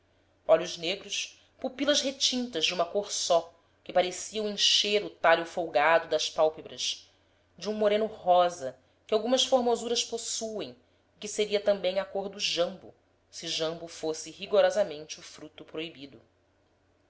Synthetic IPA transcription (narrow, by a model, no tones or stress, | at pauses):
ɔʎʊʒneɡɾʊs | pupilɐzɦet͡ʃĩnt̪ɐʒd͡ʒɪũmɐkoɾsɔ | kɪpaɾesiɐ̃w̃ẽʃeɾʊt̪aljʊfowɡad̪ʊd̪ɐʃpawpebɾɐʃ | d͡ʒɪũmoɾẽnʊɦɔzɐ | kɪawɡũmɐsfoɾmozuɾɐʃposuẽj̃ | ɪkɪseɾiɐt̪ɐ̃mbẽj̃akoɾd̪ʊʒɐ̃mbʊ̰ | sɪʒɐ̃mbʊfosɪɦiɡoɾɔzɐmẽnt͡ʃɪʊfɾut̪ʊpɾoibid̪ʊ